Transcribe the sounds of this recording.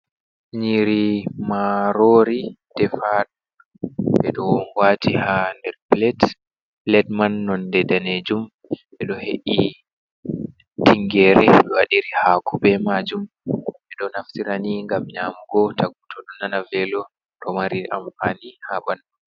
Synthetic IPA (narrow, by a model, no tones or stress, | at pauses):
ɲiɾimaɾoːɾid̥ɛfad | ɓɛ̰ɗɔwatihandɛɾplɛt | lɛdmanːɔndɛdaned͡ʒum | ɓɛɗɔhḛʔi | tiŋɡɛɾɛɗɛwaɗiɾihaːkubɛmad͡ʒum | ɓɛɗɔnaftiɾaniŋɡamɲaːmuɡɔtaɡutʰɔɗɔnanavɛlɔ | tɔmaɾiʔamfanihabanːu